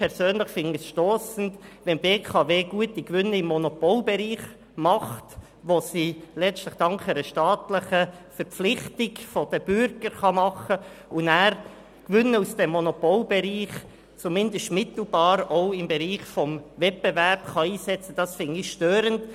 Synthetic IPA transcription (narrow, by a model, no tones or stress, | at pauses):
pʰɛɾsøːnləχfɪniəsʃtoːsn̩tʋɛnbeːkʰɑveːɡuətikʋʏnːəɪmːɔnopolbɛɾiːχ | mɑχt | ʋosiːlɛt͡stləχd̥ɑŋkχɛɾəʃtɑːtləχə | fɛɾp͡flɪχtɪɡfɔd̥əb̥ʏɾɡ̥əɾχɑmɑχəʊnæːɾ | kʋʏnːəusd̥ɛmːɔnopɔlbɛɾiːχ | t͡sumɪndəstmɪtl̩bɑːɾoʊɪmbɛɾiːχfɔmvɛt̚bɛvɛrpχɑiːsɛt͡səd̥ɑsfɪnɪʃtøːɾənt